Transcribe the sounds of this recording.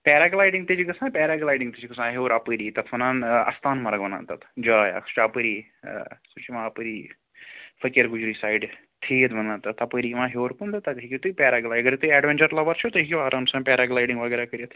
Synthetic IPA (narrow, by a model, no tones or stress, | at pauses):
pʲɛːɾaːɡlaːjɖiŋɡ̚t̪et͡ʃʰiɡɐsãːpʲɛːɾaɡlaːjɖĩŋɡt̪et͡ʃʰiɡɐsãːɦoːɾɐpəɾiːt̪ɐt̪ʰʋɐnaːnɐ̰st̪ʰaːnmɐɾɐɡʋɐna̰ːnt̪ɐt̪ʰd͡ʒaːja̰kʰst͡ʃʰapəɾḭː | sut͡ʃʰiʋãːɐpəɾiː | fɐkɐɾɡud͡ʒɾisaːjɖ | t̪ʰiːt̪ʋɐnãːnt̪ɐt̪ʰɐpəɾiʋãːɦoːɾkund̪ɐt̪ɐt̪ɦikit̪uipʲɛːɾaɡlaːjɡɐɾit̪uɛːɖʋent͡ʃɐɾlɐʋɐɾt͡ʃʰut̪ɐɦikʲiʋaːɾʔansãːpʲɛːɾaɡlaːjɖĩŋɡʋɐɡɛːɾakəɾjet̪ʰ